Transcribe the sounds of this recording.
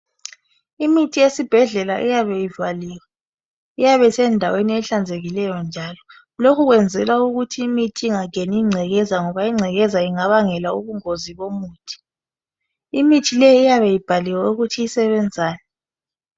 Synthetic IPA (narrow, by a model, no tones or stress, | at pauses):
imitʰijesib̥ʱɛɮɛlaʔijaβɛjivaliːwa | ijaβɛsɛndʱaweniɛɬand͡zʱeɣilɛjɔnd͡ʒʱaːlɔ | lokʰuɣwɛnd͡zʱɛlwauɣutʰiːmitʰiːŋaŋʱeniiŋ͡ǀʱɛɣɛzaŋɔβaiŋ͡ǀʱɛɣɛzaiŋaβaŋɛlauβuŋoziβomuːtʰi̥ | imitʰilɛjiːjaβɛjib̥ʱaliwauɣutʰiisɛβɛnd͡zʱaːnɛ